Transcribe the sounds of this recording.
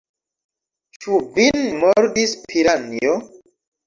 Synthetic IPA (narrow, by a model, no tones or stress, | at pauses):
t͡ʃuvinmoɾdispʰiɾanio